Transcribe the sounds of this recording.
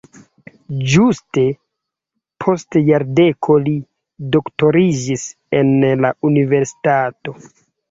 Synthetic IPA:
d͡ʒuste̞ | pʰo̞stjaɾde̞kʰo̞li | do̞kto̞ɾid͡ʒis | enlaʔunive̞ɾsi̥tato̞

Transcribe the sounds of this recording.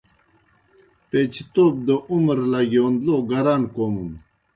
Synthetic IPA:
t̪et͡ɕʰət̪op̚d̪əʔuməɾlaɡondloɡaɾankomum

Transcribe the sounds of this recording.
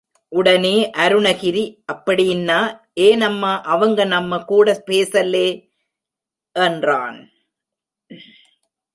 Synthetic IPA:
ʔʊɽɐneːʔɐɾɯɳɐɣɪɾiʔɐpːɐɽɪjɪnːaː | eːnɐmːɐʔɐʋɐŋɡɐnɐmːɐkuːɽɐpeːsɐlːeː | ʔɛndra̰ːn

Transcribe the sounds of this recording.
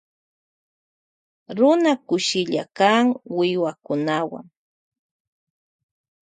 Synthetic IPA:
ɾʊnakʊʃɪʎa̰kaŋwɪwakʊnawa̰ŋ

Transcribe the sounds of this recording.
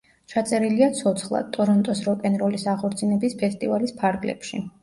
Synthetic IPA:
t͡ʃʰat̪sʼɛɾiliat̪sʰɔt̪sʰχlˠa̰d̪̚t̪ʼːɔɾɔnt̪ʼɔsɾɔkʼɛnɾɔlisaχɔɾt̪sʰinɛbispʰɛst̪ʼivalispʰaɾɡlɛ̰pʃḭ

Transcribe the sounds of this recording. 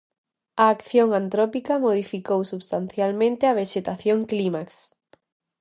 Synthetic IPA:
ɐːkθjoŋant̪ɾopikɐmoð̞ifikowsuβst̪anθjalmẽnt̪eɐβ̞eʃet̪aθjoŋklimaks

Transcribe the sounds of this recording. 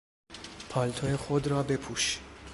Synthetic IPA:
pʰɒːlt̪ʰojexo̞d̪ɾɒːbe̞pʰuːʃ

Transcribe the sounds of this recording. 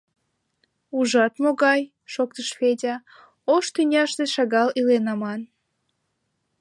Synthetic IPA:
uʒɑt̪moɣɑj | ʃok̚t̪əʃfedʲɑ | oʃt̪ynʲɑʃt̪eʃɑɣɑlilenɑmɑn

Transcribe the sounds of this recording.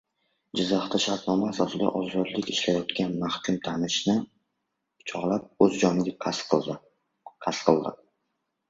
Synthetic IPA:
d͡ʒɪzːaχt̪ʰaʃaɾt̪nɒmaːsɒsɪd̪a̰ʔɒzɒd̪lɪkʲɪʃlajɒt̪kʲanmahkʲʰʊmt̪ʰanɪʃnɪ | t͡ʃʰɒʁlap̚ɵzd͡ʒɒnɪɡʲa | qʰasqʰɨlˠd̪ɪ̰

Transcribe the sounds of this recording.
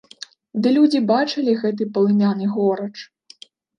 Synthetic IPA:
d̪ɨlʲud͡zʲibat͡ʂɐlʲiɣɛt̪̬ɨpɐlˠɨmʲanɨɣɔɾɐt͡ʂ

